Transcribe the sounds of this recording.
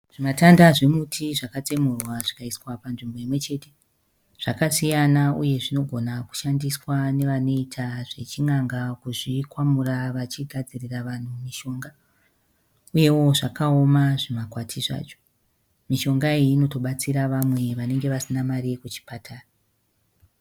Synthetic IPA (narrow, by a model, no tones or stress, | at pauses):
ʐ̥imatandaʐemutʰiʐakat͡se̞murwaʐakaiswapanʐimbo̞imwe̞t͡ʃe̞te̞ | ʐ̥akasijanaṵje̞ʐino̞ɡʱo̞naku̥ʃandiswane̞ʋano̞itʰaʐe̞t͡ʃiŋaŋɡakuʐikwamuraʋat͡ʃiɡʱad͡ziriraʋan̤umiʃo̞ːŋɡa | uje̞wo̞ʐakao̞maʐimakwatʰiʐa̰ːt͡ʃo̥ | miʃo̞ŋɡaiːno̞to̞ɓat͡siɾaʋamwe̞ʋane̞ŋɡe̞ʋasinamaɾiekut͡ʃi̥patʰaːra